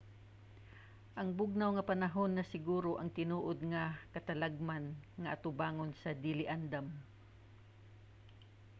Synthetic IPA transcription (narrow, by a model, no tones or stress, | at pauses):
ʔɐŋbʊɡ̚nawŋɐpɐnɐɦo̞nːɐsɪɡuːɾoʔɐŋt̪ɪnuːʔod̪̚ŋɐkɐt̪ɐlaɡ̚manŋɐʔɐt̪ʊbaːŋonsɐd̪ilɪʔand̪am